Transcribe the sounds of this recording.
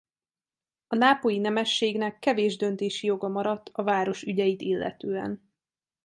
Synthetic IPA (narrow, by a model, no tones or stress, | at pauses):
ɒnaːpojinɛmɛʃːeːɡnɛkːɛveːʒd̪ø̞nt̪eːʃijo̞ɡɒmɒɾɒt̪ːɒvaːɾo̞ʃyɟɛjit̪ilːʔɛ̰t̪øːɛ̰n